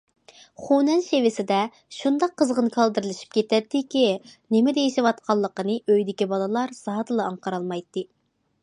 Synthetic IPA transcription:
χunɛnʃevɪsɪd̪ɛ | ʃund̪ɑqʰːəzʁənkʰɑlˠd̪ɨɾɪlˠɪʃi̥p̚kʲʰet̪ɛt̪ːɪkʲinɪmɪd̪ɛjeʃɪwɑt̪̚qʰɑlˠːəqənɨʔøjd̪ɪkʲibɑlˠəlˠɑɾz̥ɑɦd̪ɨlˠɨɑɴqɑɾɑlˠmɑjt̪ːɨ

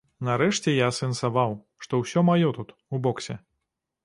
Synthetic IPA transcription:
nɐɾɛʂt͡sʲɛjaːsɛnsavaw | ʂt̪ɔwsʲɔmajɔt̪ut̪ | ubɔksʲɛ

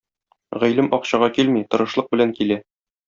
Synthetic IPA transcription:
ʁæjlɘmʔɒqɕɑʁɑkilmit̪ɤ̆ɾɤ̆ʃlˠɤq̚bɘ̆læŋkilæ

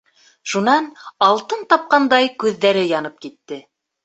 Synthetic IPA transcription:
ʃunɑnɑlˠt̪ɤnt̪ɑp̚qɑnd̪ɑjkʉðːæɾɘjɑnɤp̚kit̪ːɘ

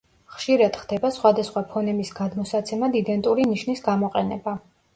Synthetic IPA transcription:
χʃiɾad̪̥χd̪̥ɛbasχwad̪asχwapʰɔnɛmisɡad̪mɔsat̪sʰɛmad̪id̪ɛnt̪ʼuɾiniʃnisɡamɔqʼɛnɛba

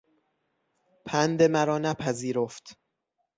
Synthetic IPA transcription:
pʰænd̪emæɾɒːnæpʰæziːɾoft̪

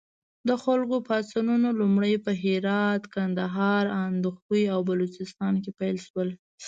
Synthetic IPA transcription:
d̪əxalkopasanunolumɽəjpəɦɪɾɑt̪kand̪aɦɑɾand̪uxujawbalot͡ʃɪst̪ɑnkepajlʃwəl

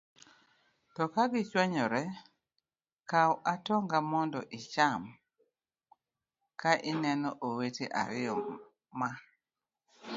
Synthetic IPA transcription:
tɔkaɡɪt͡ʃwɛɲɔɾɛ | kawʔatɔŋɡamɔndɔʔit͡ʃam | kaʔɪnɛnɔʔoweteʔa̰ɾɪɔ | ma

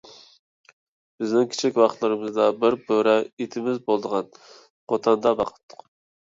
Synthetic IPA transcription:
bɪznɪŋkʲʰe̥t͡ʃʰikʲwɑχt̪lˠɨɾɨmɨzd̪ɑbɪɾbʰøɾɛit̪ʰɪmɪzbolˠd̪əʁɑn | χot̪ʰɑnd̪ɑbɑqʰə̥t̪ʰːʊ̥q

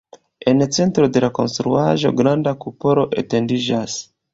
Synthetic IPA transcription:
e̞nt͡se̞ntɾo̞de̞lako̞nst̪ɾuaʒo̞̰ɡɾandakupo̞ɾo̞ʔḛte̞ndiʒas

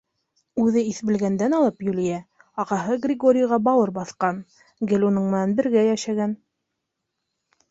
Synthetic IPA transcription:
ʉðɘiθbɘ̆lɡænd̪ænɑlˠɤpjulijæ | ɑqɑɦɤɡrʲɪɡo̞ɾʲɪjʁɑbɑw̪ɤɾbɑθqɑn | ɡɘlʲunɤɴmɘ̆nænbɘ̆ɾɡæjæʃæɡæn

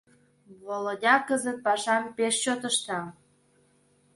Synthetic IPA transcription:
βolodʲɑkəzət̪̚pɑʃɑmpeʃt͡ɕot̪əʃt̪ɑ

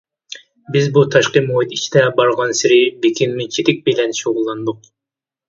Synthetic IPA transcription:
bɪzbut̪ʰɑʃqɨmoit̪it͡ʃt̪ɛbɑɾʁɑnsɪɾɪbekʲʰinmɪt͡ʃʰit̪ɪk̚ʲbelɛnʃoʁʊlˠːɑnd̪ʊq

